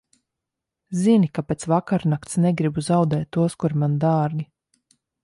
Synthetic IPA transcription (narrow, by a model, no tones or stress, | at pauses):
zinikapeːt̪svakaɾnakt̪snɛɡɾibuzawd̪ɛːt̪ːuɔskuɾmand̪aːɾɡʲi